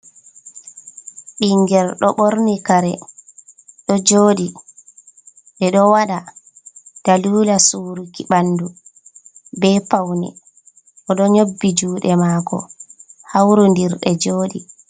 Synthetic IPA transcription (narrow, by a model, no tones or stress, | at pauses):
ɓiŋɡɛlɗɔɓoɾnikaɾɛ | ɗɔd͡ʒoːɗi | ɓɛɗɔwaɗa | d̥aluːlasuːɾukiɓanːdu | bɛːpawnɛ̰ | ʔɔɗɔɲobːid͡ʒuːɗɛmaːkɔ̰hawɾundiɾɗɛ̰d͡ʒoːɗi